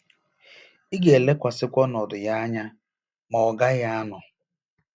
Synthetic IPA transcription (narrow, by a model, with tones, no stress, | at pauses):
i˦ɡe˨le˦kʷa˨sɪ˦kʷɔ˦nɔ˨dʊ˨ja˦a˦ɲa˦ | mɔ˨ɡa˦ja˦a˦nʊ˨